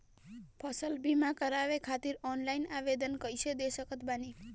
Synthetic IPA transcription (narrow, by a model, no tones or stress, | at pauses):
pʰəsəlbʱimãkəɾaʋekʰat̪iɾɔnlainaʋed̪ənkəiʃed̪eʃəkʰət̪bani